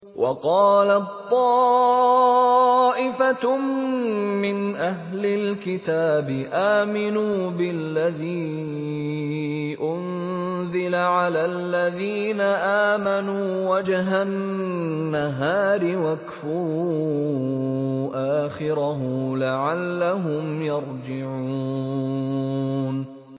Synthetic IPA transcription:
wʔɑ̰qɑːlat̪ˤːɑː | ʔɪfa | mɪnʔaɦlɪlkɪt̪aːbɪʔaːmɪnuːbɪlːaðiː | ʔʊn | zɪlaʕalaːlːaðiːnaʔaːmanuːwad͡ʒɦanː | aɦaːɾɪwakfʊɾu | ʔaːxɪɾaɦʊlaʕalːaɦʊmjɑɾˤd͡ʒɪʕuː | n

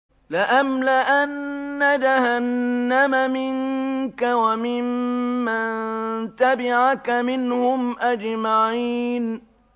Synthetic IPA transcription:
lɪʔamlaʔanːad͡ʒahanːamamɪŋkawamɪmːant̪abɪʕakamɪnhʊmʔad͡ʒmaʕiːn

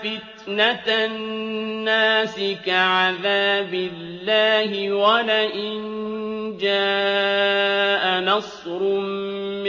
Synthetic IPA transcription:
fɪt̪nat̪ | nːaːsɪkaʕaðaːbɪlːaːɦɪwalaʔɪnd͡ʒaː | ʔanɑsˤ | ɾʊmː

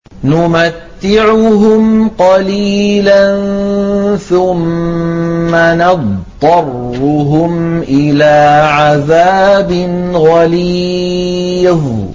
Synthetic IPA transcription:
nʊmat̪ːɪʕʊɦʊmqɑliːlann | θʊmː | anɑdˤ | ɑrːʊɦʊmʔɪlaːʕaðaːbɪn | ɣaliː

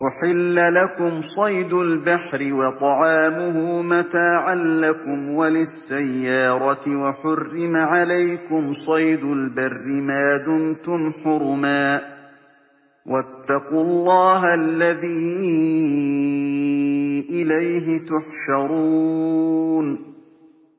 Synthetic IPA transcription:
ʔʊħɪlːalakʊmsˤɑjd̪ʊlbaħɾɪwɑt̪ˤɑʕɑːmʊhʊmat̪aːʕanːakʊmwalɪsːajːɑːɾˤɑt̪waħʊrːɪmaʕalajkʊmsˤɑjd̪ʊlbarːɪmaːd̪ʊnt̪ʊmħʊɾmaː | wʔat̪ːɑqʊːlˤːɑːɦaʔlːaðiː | ʔɪlajɦɪt̪ʊħʃɑɾˤuː | n

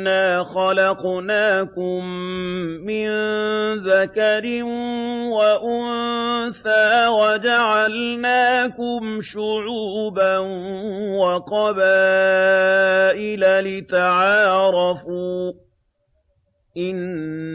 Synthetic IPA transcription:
aːxɑlɑqnaːkʊmː | ɪnðakaɾɪnwaʔʊnθaːwad͡ʒaʕalnaːkʊmʃʊʕuːbanwaqɑbaː | ʔɪlalɪt̪aʕɑːɾˤɑfuː | ʔɪn

